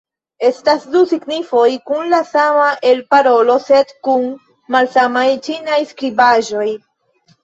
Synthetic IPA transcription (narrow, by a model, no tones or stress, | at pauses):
e̞stasdusiɡnifo̞jkunlasamaʔe̞lpaɾo̞lo̞se̞dkun | malsamajt͡ʃinajskɾibaʒo̞j